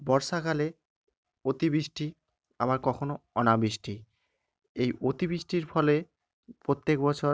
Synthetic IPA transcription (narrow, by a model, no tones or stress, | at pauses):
bɔɾʃakale | ot̪ibɾiʃʈi | aβaɾkɔkʰonoɔnabɾiʃʈi | ejot̪ibɾiʃʈiɾfʰɔle | pɾot̪ːek̚bɔt͡ɕʰo